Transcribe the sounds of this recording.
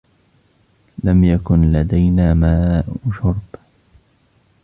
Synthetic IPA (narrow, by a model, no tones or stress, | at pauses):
lamjakʊnlad̪ajnaːmaːʔʃʊɾˤb